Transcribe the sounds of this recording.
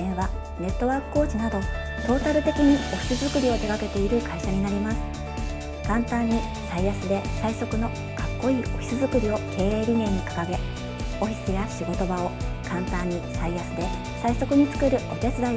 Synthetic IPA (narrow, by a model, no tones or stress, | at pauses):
ẽɰ̃βa | ne̞t̪ːo̞βaːkɯ̟̥ko̞ːt͡ɕinad̪o̞ | t̪o̞ːt̪aɾɯ̟t̪e̞kʲiɲ̟io̞çʲi̥sɨzɨkɯ̟ɾʲio̞t̪e̞ɡake̞t̪e̞iɾɯ̟kaiɕaɲ̟inaɾʲimasɨ̥ | kãnt̪ãɲ̟ːi | saijasɨd̪e̞saiso̞kɯ̟no̞ | kakːo̞iːʔo̞çʲi̥sɨzɨkɯ̟ɾʲio̞kʰe̞ːɾe̞ːɾʲine̞ːɲ̟ikḁkaɡe̞ | o̞çʲi̥sɨjaɕiɡo̞t̪o̞bao̞kãnt̪ãɲ̟ːisaijasɨd̪e̞ | saiso̞kɯ̟ɲ̟it͡sɨ̥kɯ̟ɾɯ̟ʔo̞t̪e̞t͡sɨd̪a